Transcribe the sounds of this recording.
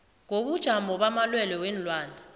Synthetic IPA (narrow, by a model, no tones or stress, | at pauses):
ŋoɓud̥ʒ̥ʱambɔɓamalwɛlɛwɛnlwaːndʱa